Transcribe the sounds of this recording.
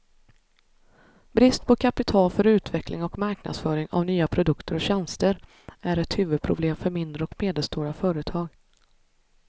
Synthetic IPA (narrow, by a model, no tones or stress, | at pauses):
bɾɪst̪̚pʰɔkʰapɪt̪ʰɑːlfœɾʉ̟ːt̪vɛkʰlɪ̰ŋɔkmaɾkna̰d̪sfœːɾɪŋa̰vnyːapʰɾʊd̪ɵkt̪əɾɔɕɛnst̪əɾ | æɾɛt̪hʉ̟ːvɵd̪̚pʰɾʊbleːmfœɾmɪnd̪ɾəɔkmeːd̪əlst̪uːɾafœːɾət̪ʰɑːɡ